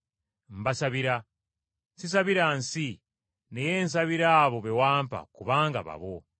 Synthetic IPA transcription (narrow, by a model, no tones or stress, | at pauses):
m̩basaβiɾa | sis̬aβiɾansi | nejeːns̬aβiɾaːβo̞βe̞waːmpa̰kuβaːŋɡa̰βa̰βo